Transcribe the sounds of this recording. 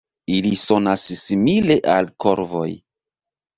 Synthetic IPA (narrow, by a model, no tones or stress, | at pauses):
iliso̞nasːimile̞ʔalko̞ɾvo̞̰j